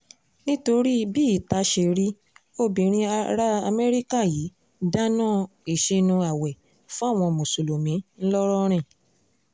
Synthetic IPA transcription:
nĩ˦to˧ɾi˦biː˦i˦˨ta˨˦ʃe˧ɾi˦ | o˦˨bĩ˨ɾ̃ĩ˧a˧ɾa˦a˧me˦ɾi˦ka˦˨ji˨˦ | da˦nã˦˨i˨ʃe˧nũ˧a˨wɛ˨ | fũ˦a˦˨w̃ɔ̃˧mõ˨so˨lo˨mĩ˨˦n̩˦lɔ˦ɾɔ˦ɾ̃ĩ˦˨

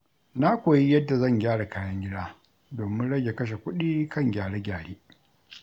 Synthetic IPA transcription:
na˦kʷoː˨ji˦jɐ˦dːa˨zɐ˦˨ŋɡʲaː˦ɽa˨kʰaː˦jɐ˦ŋɡʲɪ˦daː˦ | doː˨mɪ˦nɽɐ˦ɡʲe˨kɐ˦ʃ̬e˨kʷʊ˦ɗiː˦kʰɐ˦˨ŋɡʲaː˨ɽe˦ɡʲaː˨ɽeː˦

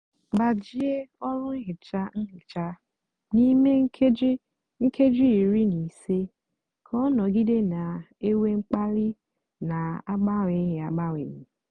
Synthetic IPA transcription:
ɡ͡ba˨d͡ʒi˦e˦ɔ˦lʊ˦ŋ̩˦ɦɪ˨t͡ʃa˦ŋ̩˦ɦɪ˨t͡ʃa˦ | ni˦me˦ŋ̩˦kʰe˦d͡ʒ | ŋ̩˦kʰe˦d͡ʒi˦i˨ɾi˦ni˨se˦ | kʰɔ˦nɔ˨ɡi˦de˦na˨e˦we˦ŋ͡m̩˦k͡pa˦lɪ˦ | na˨a˦ɡ͡ba˦ŋe˨˦ɦɪ˨a̰˨ɡ͡ba˦ŋʷḛ˨ɲi˨

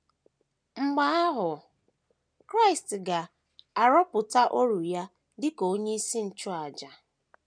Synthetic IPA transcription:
ŋ͡m̩˨ɡ͡ba˦a˦ɦʊ˨ | kɾa˦ɪ˨stɡa˨ | a˨ɾɔ˦pʊ˨ta˦ʔo˦ɾu˨ja˦ | dɪ˦ko˨o˦ɲe˦i˦si˦n̩˨t͡ʃʊ˦a˨d͡ʒa˨

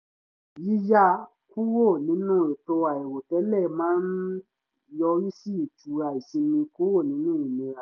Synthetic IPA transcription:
ji˦ja˦ | ku˦wo˦˨nĩ˦nũː˦˨e˨to˧a˨ɛ˨wo˨tɛ˨˦lɛ˦˨mãː˦n | jɔ˧ɾi˦si˦i˨tu˨˦ɾa˧˨i˨sĩ˧mĩ˧ku˦wo˦˨nĩ˦nũː˦i˨nĩ˧ɾa˨

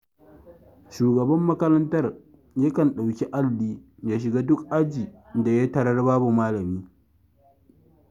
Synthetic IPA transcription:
ʃuː˨ɡɐ˨bɐ˦mːɐ˦kɐ˦ɾɐ˦ntɐ˦r | jɐ˦kɐ˨nɗa˨wkʲi˦ʔa˦lːiː˦ja˨ʃ̬ɪ˨ɡaː˦dʊ˦kʔa˦d͡ʒiː˨da˨ja˦tɐ˦˨ɽɐ˦rbaː˦bu˨maː˦lɐ˨miː˦

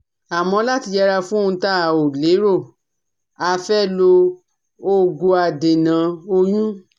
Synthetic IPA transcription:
a˨mɔ̃˧˦la˦ti˧d͡ʒɛ˧ɾa˧fũ˦˧ta˦˨o˨le˨˦ɾo˦˨ | a˧fɛ˦lo˧ | o˦ɡo˧a˧˨de˨nã˨˦o˧jũ˦

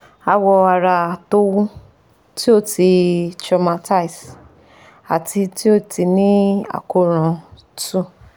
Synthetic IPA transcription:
a˧wɔ˧a˨ɾa˧˨to˦wũ˦ | ti˦o˦˨ti˧t͡ʃɾa˧ma˧ta˦i˨s | a̰˨tʰi˧ti˦o˦˨ti˧nĩ˦a̰˨ko˧˨ɾ̃ã˨˧ | tũ˦˨

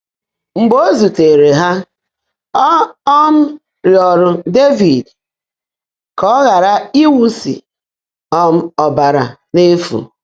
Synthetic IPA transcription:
ŋ͡m̩˨ɡ͡bo˦zu˨te˨ɾe˨ɦa˦ | ɔ˦ɔ˦m̩˦ | ɾjɔ˨ɾʊ˨de˦vi˨d | kɔ˦ɣa˨ɾa˦i˦wu˦sḭ˨ | ɔ˦m̩˦ɔ˨ba˨ɾa̰˨ne˦fṵ˨

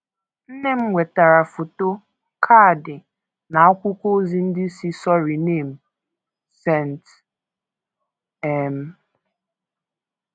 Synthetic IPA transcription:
n̩˦ne˦m̩˦ŋʷe˨ta˨ɾa˨fo˨to˦ | kʰa˦˨dɪ˨ | na˨a˦kʷʊ˦kʷo˦zi˦n̩˦dɪ˦si˦sɔ˦ɾi˨ne˦˨m̩˨ | sɛ˦˨n˨t | ɛ˦˨m̩˦

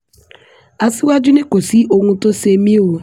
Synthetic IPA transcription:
a˨sɪ˦wa˦d͡ʒʊ˦ne˦ko˨si˦o˨ŋʷu˦to˦se˨mi˦o˦˨˦

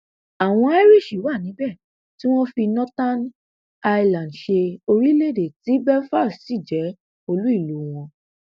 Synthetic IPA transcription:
a˨w̃ɔ̃˧ɛ˦ɾi˦˨ʃi˨˦wa˦˨nĩ˨˦bɛ˦˨ | ti˦w̃ɔ̃˦fi˧nɔ̃˦ta˦n | a˧i˧lã˨ndʃe˧o˧ɾi˦le˦˨de˨ti˨˦bɛ˦fa˦˨ssi˦˨d͡ʒɛ˨˦ | o˧lu˨˦i˦˨lu˨˦w̃ɔ̃˧

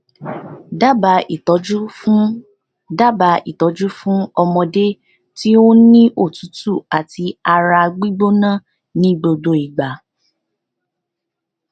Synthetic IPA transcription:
da˦ba˨˧i˨tɔ˨˦d͡ʒu˦ | da˦ba˧ḭ˨tɔ˨˦d͡ʒu˦fũ˦ɔ˧mɔ̃˧de˦ | ti˦o˦nĩ˦ʔo˦˨tu˨˦tu˦˨a˨ti˧a˧ɾa˧ɡ͡bi˦ɡ͡bo˦nã˦˨ | nĩ˦ɡ͡bo˧do˦i˨ɡ͡ba˨

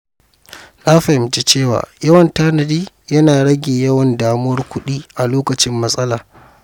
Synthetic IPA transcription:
laː˦ɸɐ˨ɪ˨md͡ʒe˦t͡ʃeː˦˨wa̰ː˨jɐ˦wɐ˨ntaː˦nɐ˨diː˦ | jɐ˦naː˨ɽɐ˦ɡʲeː˨jɐ˦wɐ˨ndaː˨mʊ˦wɐ˦rkʷʊ˦ɗiː˦ʔa˨loː˦kɐ˨t͡ʃɪ˦mːɐ˦sʼɐ˦laː˨

